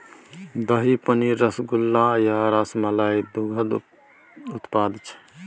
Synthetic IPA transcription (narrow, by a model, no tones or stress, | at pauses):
d̪əɦipəniɾəsɡulːajaɾasmalaid̪uɡʱəd̪ | ut̪pad̪t͡ʃʰ